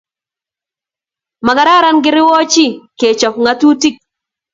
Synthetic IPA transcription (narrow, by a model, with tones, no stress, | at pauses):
ma˨ɡa˨ɾa˦ɾa˦nɡɪ˦ɾɪ˦wɔ˦t͡ʃi˦ke˨t͡ʃɔ˨pŋa˦t̪u˦ti˦k̚